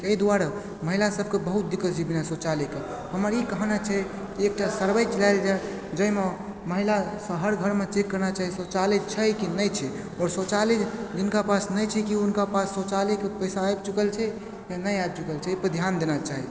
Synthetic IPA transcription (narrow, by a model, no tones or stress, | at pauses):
kəid̪uaɾa | məɦilasəb̚ʱkebəɦut̪̚d̪ikːəsd͡ʒibinasot͡ʃalike | həməɾikəɦnət͡ʃʰɛ | kiek̚ʈasəɾbəjt͡ʃəlajld͡ʒa | d͡ʒəjme | məɦilasəɦəɾɡʱəɾmẽt͡ʃekːəɾnat͡ʃaɦisot͡ʃaled͡ʒt͡ʃʰəkinəjt͡ʃʰɛ | ɔɾsot͡ʃaled͡ʒd͡ʒinkapasnəjt͡ʃʰɛkiunkapasːot͡ʃalekepəjsaːjb̚t͡ʃukəlt͡ʃʰɛ | kanəjab̚t͡ʃukəlt͡ʃʰɛipəd̪ʱjand̪enat͡ʃaɦi